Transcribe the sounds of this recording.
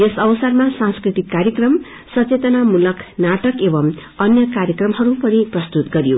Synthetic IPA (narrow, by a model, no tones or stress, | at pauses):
esʌbʌsarmasãnskrit̪ikːaɾjʌkrʌm | sʌt͡set̪ʌnamulʌknaʈʌkebʌm | ʌnjʌkaɾjʌkrʌmɦʌɾupʌniprʌst̪ut̪ɡʌɾijo̰